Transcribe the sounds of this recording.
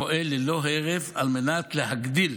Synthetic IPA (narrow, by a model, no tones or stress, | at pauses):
oʔeleloɦeʁeva̰lmenat̪leɦaɡd̪il